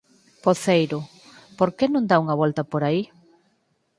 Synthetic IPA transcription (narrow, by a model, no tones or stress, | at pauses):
poθejɾʊ | poɾkenõŋd̪auŋɐβɔlt̪ɐpoɾai